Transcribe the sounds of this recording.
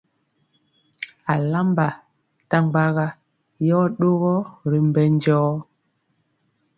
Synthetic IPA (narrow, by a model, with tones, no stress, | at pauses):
a˨la˦mba˨ | ta˦ŋɡ͡ba˦ɣa˦ | jɔ˦ɗo˦ɣɔ˦ɾi˨mbɛ˦nd͡ʒɔː˦